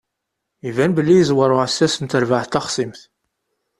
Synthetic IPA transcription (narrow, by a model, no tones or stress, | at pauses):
ivænbəlːijəzwəɾˤʊʕəsːæsənt̪əɾvaʕθt̪ɑχsimθ